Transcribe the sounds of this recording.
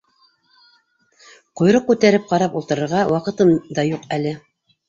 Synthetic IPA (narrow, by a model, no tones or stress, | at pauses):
qŏjɾoq̚kʉt̪æɾɘp̚qɑɾɑpulˠt̪ɤ̆ɾɤ̆ɾʁɑwɑqɤ̆t̪ɤmd̪ɑjuqælɘ